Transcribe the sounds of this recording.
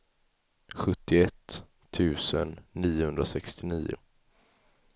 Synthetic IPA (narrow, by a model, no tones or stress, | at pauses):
ɧɵt̪ːɪɛt̪ʰː | ʉ̟ːsənːiːʊhɵnd̪ɾasɛkst̪ɪniːʊ̰